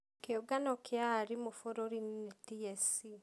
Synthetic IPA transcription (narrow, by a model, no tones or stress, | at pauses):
keoɡanɔkʰjaɾimofoɾoɾinnitiɛsi